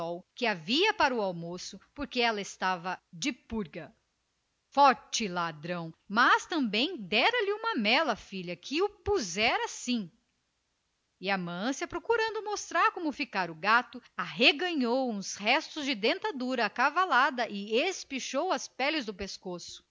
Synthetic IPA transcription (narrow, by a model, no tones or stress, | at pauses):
ɔwkɪaviɐpaɾɐʊawmosʊpoɾkeɛlɐɪst̪avɐd͡ʒɪpuɾɡɐ | fɔɾt͡ʃɪlad̪ɾɐ̃w̃mɐst̪ɐ̃mbẽj̃d̪ɛɾɐlɪũmɐmɛlɐfiʎɐkʰɪʊpuzɛɾɐsĩ | ɪɐmɐ̃siɐpɾokuɾɐ̃nd̪ʊmost̪ɾaɾkõmʊfikaɾʊɡat̪ʊaɦeɡɐ̃ɲowũshɛst̪ʊzd͡ʒɪd̪ẽnt̪ad̪uɾɐːkavalad̪ɐʔɪespiʃowɐspɛlɪzd̪ʊpeskosʊ̥